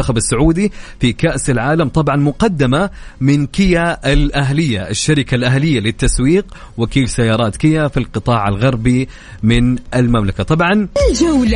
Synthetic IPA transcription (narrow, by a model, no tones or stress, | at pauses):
axabɪsːʊʕuːd̪ifikaʔsɪlʕaːlamt̪ˤɑbʕɑnmʊqɑd̪ːamamɪnkɪjaɪlʔaɦlɪjːaʔɪʃːaɾɪkalʔaɦlɪjːalɪt̪ːaswiːq | wɪkiːsajːɑːɾˤɑːt̪kɪjːafilqɨt̪ˤɑːʕalɣɑɾˤbi | mɪnʔɪlmamlakat̪ˤɑbʕɑnd͡ʒa